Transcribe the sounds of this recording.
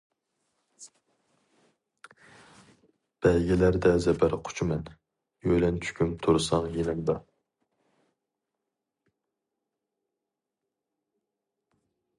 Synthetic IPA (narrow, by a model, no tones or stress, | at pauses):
b̥ɛlɡʲilæɾd̪ɛzɛpæɾqʰʊ̥t͡ʃʰumɛn | jøjlɛnt͡ʃʰy̥kʲʰymt̪ʰuɾsɑŋjenɛmd̪ɑ